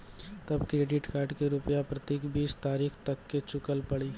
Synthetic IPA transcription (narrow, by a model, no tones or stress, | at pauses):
t̪ɐbkɾeːɖɪʈkaːɾɖkeɾʊpjapɾɐt̪eːkbiːst̪aːɾiːxt̪ɐkːet͡ʃʊkəlpɐɽiː